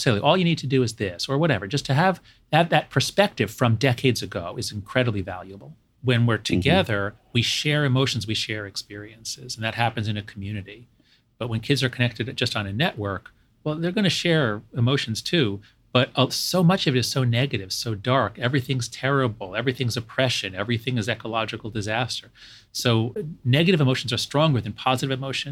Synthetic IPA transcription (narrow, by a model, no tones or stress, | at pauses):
seɪlˠiʔɔlˠjɨñid̚tʰɨdɨɨzðɪsə˞wʌɾɛvə˞d͡ʒʌstʰɨəv | ðɨðɨt̚pʰə˞spɛk̚tɨv̥fɹʌ̃mdɛkʰeɪdzɨɡoʊɨz̃n̩kʰɹ̥ɛɾəblivæ̰lˠjʉəbl̩ˠ | wɨ̃nwɪɹtʰɨɡɛðə˞ | wiʃɛɹɨmoʊʃn̩zwiʃɛɹɨkspɪɹiɨ̃nsɪzn̩ðɨt̚hæpɨ̃n̩zɨ̃nɨkʰm̩jʉnɨɾi | b̥ʌt̚wə̃nkʰɪdzə˞kʰɨnɛk̚tɨɾd͡ʒʌstn̩ɨnɛʔwɜ˞k | wɛlˠðə˞ɡʌnɨʃɛɹɨmoʊʃn̩z̥tʰʉ | b̥ʌɾ̚soʊmʌt͡ʃʌvɨɾɨz̥soʊnɛɡɨɾɨv̥soʊdɑɹkɛvɹiθɪ̃ŋz̥tʰɛɹɨbl̩ˠɛvɹiθɪ̃ŋzɨpʰɹ̥ɛʃɨ̃nɛvɹiθɪ̃ŋɨzɛkəlɑd͡ʒɨkl̩ˠdɨzæstʰə˞ | soʊnɛɡɨɾɨvɨmoʊʃn̩zə˞stɹ̥ɔ̃ŋɡə˞ðɨ̃npʰɑzɨɾɨvɨmoʊʃɨ̃n